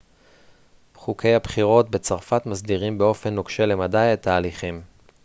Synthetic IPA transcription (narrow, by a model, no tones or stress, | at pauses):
χuke̞jhabχiʁo̞tbe̞t͡saʁfat̪masdiʁimbe̞o̞fe̞nːokʃele̞madajet̪aːliχim